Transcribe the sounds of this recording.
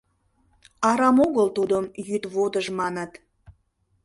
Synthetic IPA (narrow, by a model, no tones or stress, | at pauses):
ɑɾɑmoɣəlt̪ud̪əmjyt̪βod̪əʒmɑnət̪